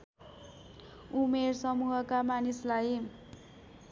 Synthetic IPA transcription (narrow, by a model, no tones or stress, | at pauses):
umersʌmuɦʌkamanislaj